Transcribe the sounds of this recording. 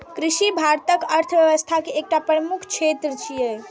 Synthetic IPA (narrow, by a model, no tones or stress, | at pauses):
kɾiʃibʱaɾt̪əkəɾt̪ʰəʋjəʋəst̪ʰakeːk̚ʈapɾəmukʰt͡ʃʰet̪ɾət͡ʃʰijəj